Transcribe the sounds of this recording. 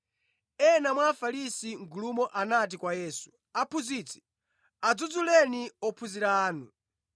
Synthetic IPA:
ɛnamwaːfaɾisiŋɡulumɔʔanat̬ikwajɛːsu̥ | apʰuzit͡sʰi̥ | ad͡zud͡zulɛniɔpʰuziɾaːnu

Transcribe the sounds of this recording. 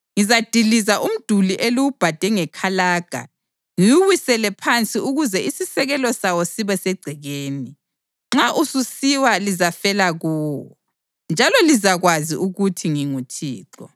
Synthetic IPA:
ŋizad̥ʱilizaʔum̩d̥ʱuliʔeliwub̥ʱad̥ʱɛŋɛkʰalaːɡ̥ʱa̰ | ŋijuwisɛlɛpʰant͡sʼiuɣuzɛisisɛɣɛlɔsawɔsiβɛsɛɡ͡ǀʱɛɣeːni | ŋ͡ǁaʔususiwalizafɛlaɣuːwɔ̰ | nd͡ʒʱalɔlizaɣwaziʔuɣutʰiŋiŋutʰḭːǁɔ̰

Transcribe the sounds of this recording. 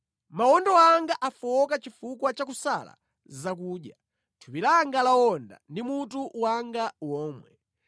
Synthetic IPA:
mawɔndɔaŋɡaʔafɔɔkat͡ʃifukwat͡ʃakusa̰la̰ | zak̬uːɗja | tʰupilaŋɡalawɔnda̰ndimutuwaŋɡawɔːmwɛ

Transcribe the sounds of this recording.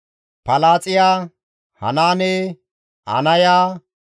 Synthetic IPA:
pɐlaːt͡sʼɪjaː | hɐ̰naːnɛː | ʔɐ̰nɐjaː

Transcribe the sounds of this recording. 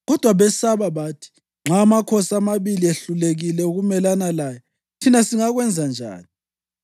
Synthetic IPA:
ɣɔd̥ʱwaβɛsaβaβaːtʰi̥ | ŋ͡ǁʱaːmakʰosamaβilieɬuleɣilɛuɣumɛlanalaːja | tʰinasiŋaɣwɛnd͡zʱand͡ʒʱa̰ːni

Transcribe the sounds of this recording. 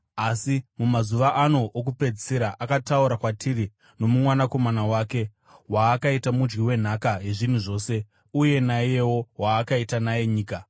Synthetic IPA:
asimumazuʋaʔano̞ʔːk̬upe̞d͡ziseɾaʔakatauɾakwatʰiri | no̞mumwanako̞manawaːke̞ | waːkaitamud͡ʒɡiwe̞n̤akaɦe̞ʐin̤uʐo̞ːse̞ | uje̞naijewo̞waːkaitanaje̞ɲiːka

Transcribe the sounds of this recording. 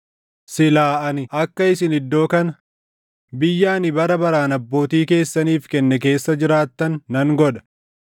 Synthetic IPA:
sɪlaːʔɐnɪʔɐkːɐɪsɪnɪd̪ːo̞ːkɐnɐ | bɪjːaːnɪbɐɾɐbɐɾaːnɐbːo̞ːt̪iːke̞ːsːɐniːfkɛnːɛk̬e̞ːsːɐd͡ʒɪɾaːt̪ːɐnːɐŋɡɔᶑɐ̥

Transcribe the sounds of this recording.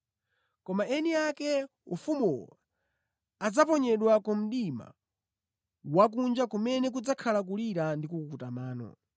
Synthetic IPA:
kɔmaɛniakɛ | ufumṵɔ | ad͡zapɔɲɛɗwakɔm̩ɗima̰ | wak̬und͡ʒakumɛnɛk̬ud͡zakʰalak̬uliɾandikukukutamaːnɔ̰

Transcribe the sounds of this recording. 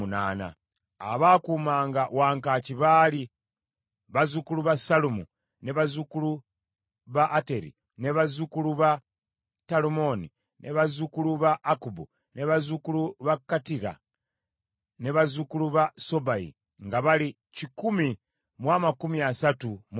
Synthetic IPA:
una̰ːna̰ | a̰βaːkumaːŋɡawaːŋkaciβaːli | βazukuluβasalumu | neβazukulu | βaʔːte̞ɾḭ | ne̞βazukuluβa | talumoni | nʔeβazukuluβaʔːkubu | neβazukuluβakatiɾa̰ | neβazukuluβaso̞baḭ | ŋɡaβali | cikumi | mwaːmakumiasatum

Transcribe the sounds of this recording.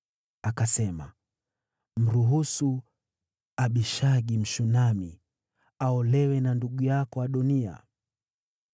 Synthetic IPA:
akasɛma | m̩ɾuɦusu | aɓiʃaɠim̩ʃunami | aɔlɛwɛnanduɠujakɔaɗɔnia̰

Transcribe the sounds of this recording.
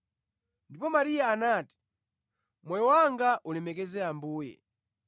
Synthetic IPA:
ndipɔmaɾijaːnaːti̥ | mwɛjɔwaŋɡaʔulɛmɛk̬ɛzɛambuːjɛ̰

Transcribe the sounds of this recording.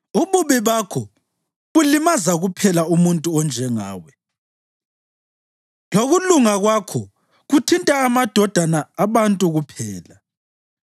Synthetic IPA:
uβuβiβakʰɔ | βulimazaɣupʰɛlaumuntʼuɔnd͡ʒʱɛŋaːwɛ | loɣuluŋaɣwakʰɔ | ɣutʰintʼaːmad̥ʱɔd̥ʱanaːβantʼuɣupʰɛːla

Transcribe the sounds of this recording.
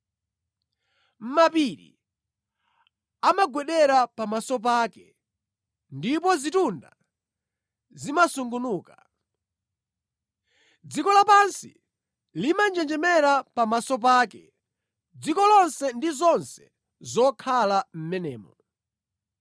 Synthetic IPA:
m̩mapiɾḭ | amaɡwɛɗɛɾapamasɔp̬aːkɛ | ndip̬ɔzitunda̰ | zimasuŋɡunuːka | d͡zikɔlapansi | limand͡ʒɛnd͡ʒɛmɛɾapamasɔp̬aːkɛ | d͡zikɔlɔnsɛndizɔnsɛ̥ | zɔkʰalam̩mɛnɛ̰ːmɔ̰

